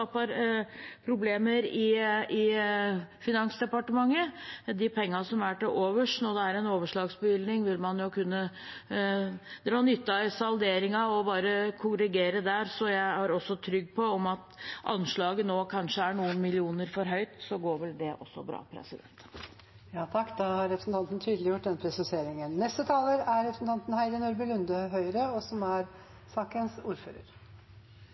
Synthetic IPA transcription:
ɑpɑɾpʰɾʊbleːməɾɪɪ | fɪnɑnsd̪ɛpɑʈəmɑŋːəd̪ɪpʰɛŋːɑsɔmæʈɪʔoːʋəʂnɔd̪ɛæɾɛnoːʋəʂɭɑːɡsbəʋɪld̪nɪŋʋɪlmɑnjʊkʉnːə | d̪ɛɾɑnʏt̪ːɑɛsɑld̪eːɾɪŋɑɔbɑːɾəkʰʊɾəɡeːɾəd̪æɾsɔjæɪhɑɾɔsːɔt̪ʰɾʏɡːpʰɔɔmɑt̪ʔɑ̰nʂɭɑːɡənoːkʰɑnʂəæɳuːənmɪlɪuːnəɾfɔɾɦœʏt̪sɔɡoːɾʋɛld̪ɛʔɔ̰sːɔ̰bɾɑ̰ːpʰɾɛ̰sɪd̪ɛ̰nt̪ | jɑːt̪ʰɑkːd̪ɑhɑɾɾɛpɾəsn̩t̪ɑnt̪n̩t̪ʰyːd̪əlɪjʊʈ̚ːd̪ɛnəpʰɾɛsɪseːɾɪŋənːɛst̪ət̪ʰɑːləɾæɾɾɛpɾəsn̩t̪ɑnt̪n̩hæɪd̪ənʊɾbəlʉnd̪əɦœʏɾəɔsɔmæɾ | sɑːkənsuːɾfø̰ːɾə̰ɾ

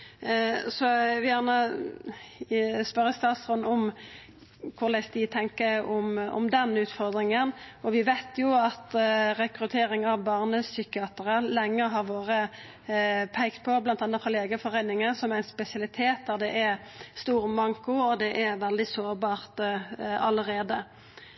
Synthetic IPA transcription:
sɔʋɪjæʁnə | spœʁəst̪ɑːt̪sʁʉnɔm | kʰʊʁlæɪsd̪ɪt̪ʰɛŋkəɔmɔ̰md̪ɛnʉːt̪fɔʁd̪ʁɪŋənɔʋɪʋæɪt̪ʰjʊɑt̪ɾɛkɾʉt̪ʰeːɾɪŋɑʋbɑːʁnəssʏkɪɑːt̪əʁəlɛŋːəɦɑʁʋoːʁə | pʰæɪkt̪̚pʰɔblɑnt̪ɑnːət̪fɾɑleːɡəfɔʁæɪnɪŋəsɔmæɪnspɛsɪɑlɪt̪ʰeːt̪̚d̪ɑʁd̪ɛʔæʁst̪uːʁmɑŋkʊɔd̪ɛʔɛʁʋɛld̪ɪsoːʁbɑːʁt̪ɑləʁeːd̪ə

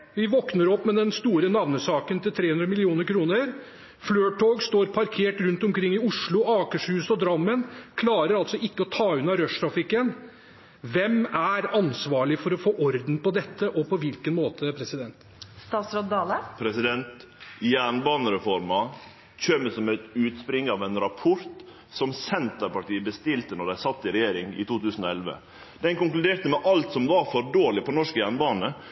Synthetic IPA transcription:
ʋɪʋɔknəɾɔpːmɛd̪ɛnst̪uːɾənɑʋnəsɑːkənt̪ɪlt̪ʰɾeːʉnd̪ɾəmɪlɪuːnəɾkʰɾuːnəɾ | fløːʈʰoːɡst̪oːɾpʰɑɾkʰeːʈɾʉnt̪ɔmkʰɾɪŋːɪʊʂɭʊɑːkəʂhʉːsɔd̪ɾɑmːənkʰlɑːɾəɾɑlt̪sɔɪkːəɔt̪ʰɑːʉnɑɾœʂt̪ʰɾɑfɪkːən | ʋɛmæɾɑnsʋɑːɭɪfɔɾɔfoːʔɔɾd̪n̩pɔd̪ɛt̪ʰːəʔɔpɔʋɪlkənmoːt̪ʰəpʰɾɛsɪd̪ɛnt̪ | st̪ɑːt̪sɾɔd̪d̪ɑːləpʰɾɛsɪd̪ɛnt̪ | jæːɳbɑːnəɾɛfɔɾmɑ | çøməsɔmɛt̪ʉːt̪spɾɪŋːəɑʋɛnɾɑpʰɔɾt̪ | sɔmsɛnt̪əɾpɑʈiːəbəst̪ɪlt̪ənɔɖ̪æɪsɑt̪ːɪɾɛjeːɾɪŋɪ̰t̪ʰuːt̪ʰʉːsn̩ɔɛlʋə̰ | d̪̥ɛnkʊŋklʉd̪eːɾt̪əmɛʔɑlt̪sɔmʋɑɾfɔɾɖoːɭɪpɔnɔʂkəjæːɳbɑːnə

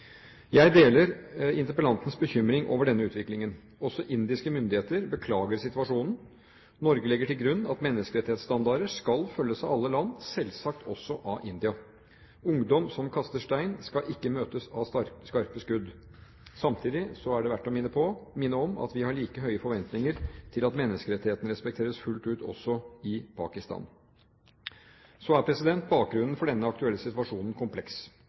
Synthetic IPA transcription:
jæɪd̪eːləɾɪnt̪əɾpəlɑnt̪n̩sbəçʏmɾɪŋʔo̰ːʋəɖɛnːəʉːt̪ʰʋɪklɪŋən | ɔsɔʔɪnd̪ɪskəmʏnd̪ɪheːt̪əɾbəkʰlɑːɡəɾsɪt̪ʉɑʂuːnn̩ | nɔɾɡəlɛɡːəʈɪlɡɾʉnːɑt̪mɛnːəskəɾɛt̪ɪeːt̪st̪ɑnd̪ɑɾəʂkɑlfœlːəsɑɑlːəlɑnːsɛlsɑk̚t̪ʰɔsːɔʔɑʔɪnd̪ɪɑ | ʊŋd̪ɔmsɔmkʰɑst̪əʂʈæɪnskɑʔɪkːəmøːt̪əsɑskɑɾkəskʉd̪ | sɑmt̪ʰiːd̪ɪsɔæɖɛʋæʈːɔmɪnːəpʰɔmɪnːəɔmɑ̰t̪ʋɪhɑɭiːkəɦœʏəfɔɾʋɛnt̪nɪŋəɾt̪ʰɪlɑt̪mɛnːəskəɾɛt̪ːɪheːt̪ən̩ɾɛspɛk̚t̪ʰeːɾəsfʉlt̪ʉːt̪ɔ̰sːɔɪpʰɑ̰ːkɪst̪ɑ̰ːn | soæɾpʰɾɛsɪd̪ɛnt̪̚bɑːk̚ɡɾʉnn̩fɔɖɛnːəɑk̚t̪ʉɛlːəsɪt̪ʋɑʂuːnən̩kʰʊmpʰlɛks

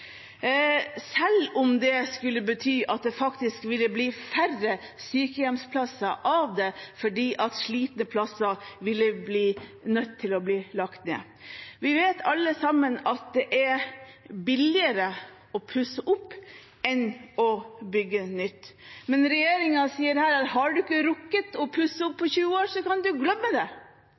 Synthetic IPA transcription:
sɛlːʊmd̪ɛskʉlːəbət̪ʰyːʔɑt̪̚d̪ɛfɑkt̪ɪskʋɪlːəbliːfærəsyːkəjɛmspʰlɑsɑʔɑʋd̪ɛfɔɖiːʔɑt̪ʂɭiːt̪nəpʰlɑsəʋɪlːəbliːnœt̪ʰːɪlɔbliːlɑkt̪nḛː | ʋɪʋeːt̪ʰɑlːəsɑmːənɑt̪̚d̪ɛʔæ | bɪlɪəɾə | ɔpʰʉsəʔʊpː | ɛnɔbʏɡːənʏt̪ːmɛnɾɛjeːɾɪŋɑsiːəɾhæːɾɑt̪hɑɖʉɪkːəɾʊkːət̪ɔpʰʉsːəʊpʰːɔçʉːəoːsɔkɑnd̪ʉɡlœmːəd̪ɛ

